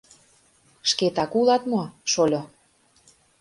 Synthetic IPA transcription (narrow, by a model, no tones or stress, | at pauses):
ʃket̪ɑkulɑt̪moʃolʲo